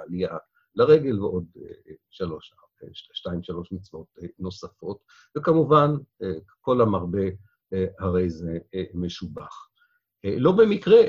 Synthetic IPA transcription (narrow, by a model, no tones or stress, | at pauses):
alia | laʁe̞ɡelveʔo̞dʃalo̞ʃa | ʃtaimʃalo̞ʃmit͡svo̞tno̞safo̞t | vekamuvanko̞lamaʁbe | ehaʁe̞jzemeʃubaχ | lo̞bemikʁe